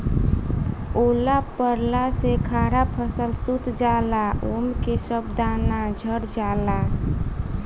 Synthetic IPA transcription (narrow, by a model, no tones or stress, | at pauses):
olapəɾlasekʰaɾapʰəsəlsut̪d͡ʒalaomkesəbd̪anad͡ʒʱəɾd͡ʒala